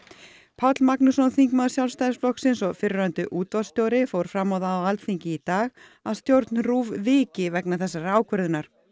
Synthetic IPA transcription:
pʰawt̪lmaknusɔnθiŋkmaðʏsjawlst̪ajðɪsflɔhksɪnsɔɣfɪɾʏɾant̪ʏʔuːt̪vḁst̪jowɾɪfowɾ̥fɾamːawðaːwalt̪θiɲcɪit̪aːɣ | aðst̪jowɾt̪nruːvvɪːcɪvɛknaθɛsːaraːwkʰœɾðɪnaɾ̥

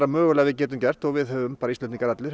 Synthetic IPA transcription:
ɾamœːɣʏlɛːɣvɪðcɛːt̪̬ʏmcɛr̥t̪ɔɣvɪðhœːvʏmpaːɾaist̪ɛt̪iŋkaɾat̪lɪɾ

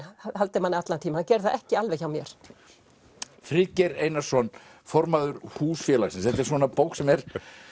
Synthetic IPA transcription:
ahalt̪ɪmhanɪat̪lant̪ʰiːmahancɛɾðθaʔɛhcɪalvɛçawmjɛɾ̥ | fɾɪcɛɾejnasɔn | fɔɾmaðʏɾhuːsfjɛːlaɣsɪns̬ɛht̪ɛɾ̥svɔːnapoːwksɛmɛɾ̥

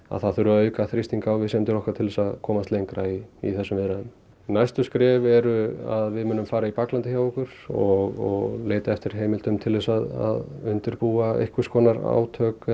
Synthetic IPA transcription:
a̰ðθaðθʏɾʏaœːɥkaθɾist̪iŋkaːwvɪsɛmt̪ɪɾɔhkaɾt̪ʰɪlvɛsaðkʰɔːmast̪lejŋkɾaiḭθɛsːʏmvɪðɾaðʏm | najst̪ʏskɾɛːvɛɾʏaðvɪðmʏːnʏmfaːɾaipaklant̪ɪçjawɔkʏɾ̥ɔɣɔɣleːjt̪aɛft̪ɪɾ̥ɦeːjmɪlt̪ʏmt̪ʰɪlvɛsaða̰ðʏnt̪ɪɾpuːaḛjhkvʏ̥skɔːnaɾa̰ːwt̪ʰœːk

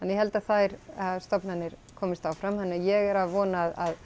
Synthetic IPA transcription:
ɛnjɛhɛlt̪aðθajɾast̪ɔpnhanːɪɾ̥kʰɔːmɪst̪aːwfɾamhɛnːajɛɣɛɾaðvɔːnaða̰ð

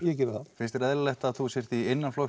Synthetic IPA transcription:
jɛcɛːɾɪɾθafɪnst̪ɪɾɛðllɛht̪aðθusjɛr̥t̪ienːanflo

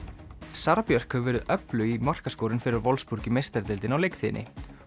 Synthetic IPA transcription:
saɾapjœr̥khœvɛːɾðʏʔœplʏimar̥kaskoːwɾɪnfɪɾɪɾvɔlspuɾ̥cɪmejst̪ɛɾt̪ɪlt̪ɪnawlejkθɪnʔɪ̰

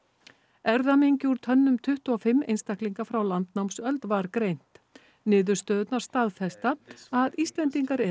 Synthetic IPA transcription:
ɛɾðameɲcɪuɾ̥t̪ʰœnːʏmt̪ʰʏht̪uɔfɪmːḛjnst̪ahkliŋkafɾawlant̪nawmsœlt̪vaɾkɾejn̥t̪ | nɪːðʏɾ̥st̪œːðʏt̪naɾ̥st̪aðfɛst̪aaðist̪lɛnt̪iŋkaɾɛ

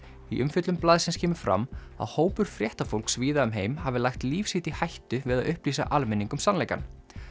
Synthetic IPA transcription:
iʔʏmfʏt̪lʏmplaːðsɛnscʰɛːmʏ̥fɾa̰m | a̰ðhoːwpʏɾ̥fɾjɛht̪afowlksviːðaʏmɦeːjmhavɪlajxt̪liːfshɪht̪ihajht̪ʏvɪðaðʏhpliːsa̰ʔalmɛnːiŋkʏmsanlejka̰n

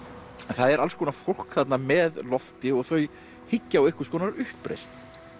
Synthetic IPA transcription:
ɛnθaðɛɾalskʰɔːnafowl̥kθat̪namɛðlɔft̪ɪɔɣθœɥ | hɪcːawejhkʏ̥skʰɔːnaɾʏhpːɾḛjst̪n

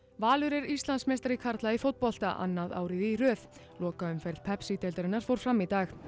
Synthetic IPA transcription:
vaːlʏɾɛɾist̪lansmejst̪aɾɪkʰaɾt̪laifowt̪pɔl̥t̪a̰ʔa̰nːaða̰ːwɾɪðirœːθ | lɔːkaʏmfɛjɾðpʰɛpsit̪elt̪aɾɪnːaɾ̥fowɾ̥fɾamːit̪aːx

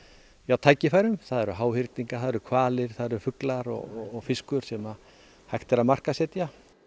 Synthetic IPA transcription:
iawt̪ʰaːjcɪfajɾʏmθaðɛɾʏɦaːwhɪɾt̪niŋkḁθaðɛɾʏkʰvaːlɪɾ̥θaðɛɾʏfʏklaɾɔ̰ɣɔɔɣfɪskʏɾ̥sɛma | hajht̪ɛɾamar̥kasɛːt̪ja

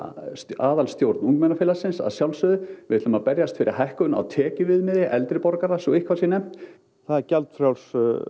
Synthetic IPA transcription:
saːðalst̪jowɾt̪nuŋkmɛjnafɪlasɪnsa̰ðsjawlsʏðʏvɪɪt̪lʏmapɛɾjast̪fɪɾɪ̰ɾ̥ɦajhkʏna̰ðt̪ʰɛːcɪvɪðmɛðɪʔɛlt̪ɾɪpɔɾkaɾasɔɪhkʰvaɾsjɛnɛm̥t̪ | θaðɛɾcɛlt̪fɾjawls

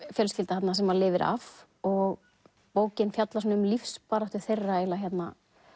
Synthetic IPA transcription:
fjœlscɪlt̪ḁhat̪nasɛmːalɪːvɪɾa̰f | ɔɣ | poːwcɪnfjat̪las̬ɔnʏmlifspaːɾaht̪ʏ̥θejrːaɛlaçjɛt̪na̰

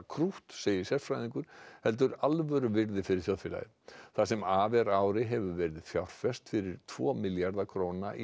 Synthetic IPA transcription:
kʰɾuht̪seːjɪ̥sjɛɾfɾajðiŋkʏɾ̥hɛlt̪̬ʏɾalvœɾʏvɪɾðɪfɪɾɪɾ̥θjoðfɪla̰jɪ | θas̬ɛmaːvɛɾaːwɾɪɦɛvʏvɛɾɪðθjawɾ̥fɛst̪fɪɾɪɾ̥t̪ʰv̥ɔ̰ːmɪljaɾðakʰɾoːwnaʔi

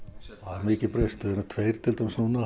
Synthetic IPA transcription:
aðɪmɪːcɪpɾejst̪ɪðɛnat̪ʰvejɾ̥t̪ʰɪlt̪ɛmsnuna

